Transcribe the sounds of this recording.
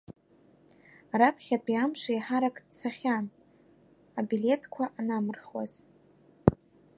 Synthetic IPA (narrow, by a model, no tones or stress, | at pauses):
aɾapʰχʲapʼiamʂajħaɾakʼdsaχʲan | abile̞tʰkʷʰaʔanamɨrχwa̰z̥